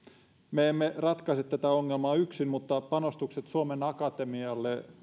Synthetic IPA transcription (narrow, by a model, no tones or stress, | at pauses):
meemːerɑt̪kɑset̪tæt̪æoŋːelmɑːyksinmut̪ːɑpɑnost̪ukset̪suomenɑkɑt̪emiɑlːe